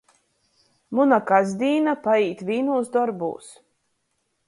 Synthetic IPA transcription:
munakazd̪iːnapaiːt̪viːnuːsd̪ɔɾbṵːs

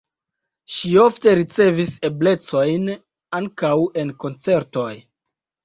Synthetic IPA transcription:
ʃio̞fte̞ɾit͡se̞vise̞ble̞t͡so̞jn | aŋkawe̞nko̞nt͡se̞ɾto̞j

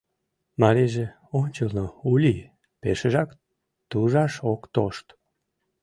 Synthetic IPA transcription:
mɑɾeʒe | onʲt͡ɕəlnoulʲi | peʃəʒɑk | t̪uʒɑʃokt̪oʃt̪

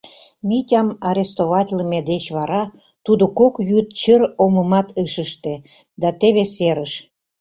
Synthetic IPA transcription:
mʲitʲɑmɑɾʲest̪oβɑtʲləmed̪et͡ɕβɑɾɑ | t̪ud̪okokjyt̪̚t͡ɕəɾoməmɑt̪əʃəʃt̪e | d̪ɑt̪eβeseɾəʃ

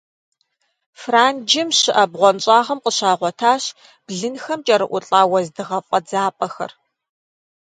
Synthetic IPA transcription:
fraːnd͡ʒɪmɕɪʔɐbʁʷɔnt͡ʃʼaːʁɐmqʼəɕaːʁʷɔtʰaːɕ | b̥ɮɨnxɐmt͡ʃʼɐɾɨʔʷʊɬʼaːwɐzdɨʁɐpʼɐd͡zaːpʼɐxɐ̰r

